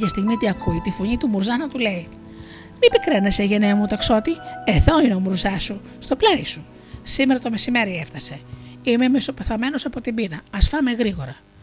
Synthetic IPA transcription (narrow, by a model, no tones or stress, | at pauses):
ɐst̪iɣmit̪iɐkuit̪ifoɲit̪umuɾzɐnɐt̪ule̞i | mipikɾeneseʝe̞neɐmut̪okso̞t̪ieðo̞ineo̞muɾzɐsu | st̪o̞plɐisu | simeɾɐt̪o̞me̞sime̞ɾieft̪ɐse̞ime̞meso̞peθɐme̞no̞sɐpo̞t̪imbinɐːsfɐmeɣɾiɣo̞ɾɐ